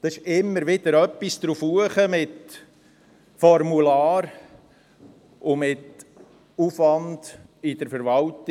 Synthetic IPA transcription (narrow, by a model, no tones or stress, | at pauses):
d̪̥ɑɪʃɪmːəɾʋɪd̥̪əɾœpːisd̪ɾufuəχəmɪt̪ | fɔɾmulaːɾ | ʊmɪt | ufʋɑnd̥ɪd̥̪əɾfəɾʋɑlt̪